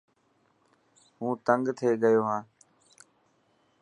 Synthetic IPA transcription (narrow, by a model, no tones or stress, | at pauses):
hũːt̪əŋɡt̪ʰeːɡəjoːɦãː